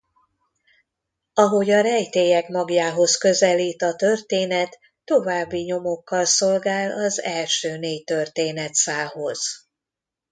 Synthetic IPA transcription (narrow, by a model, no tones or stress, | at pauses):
ɒɦo̞ɟɒɾɛjt̪eːjɛkmɒɡjaːɦo̞skø̞zɛliːt̪ɒt̪ø̞rt̪eːnɛt̪ː | o̞vaːbːiɲo̞mo̞kːɒlso̞lɡaːlɒzɛlʃøːneːjt̪ørt̪eːnɛt̪saːlɦo̞z̥